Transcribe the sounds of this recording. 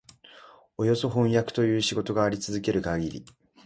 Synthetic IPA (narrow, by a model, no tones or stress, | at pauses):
o̞jo̞so̞ɦõ̞ɰ̃jakɯ̟̥t̪o̞jɯ̟ːɕiɡo̞t̪o̞ɡaːɾʲit͡sɨzɨke̞ɾɯ̟kaɡʲiɾʲḭ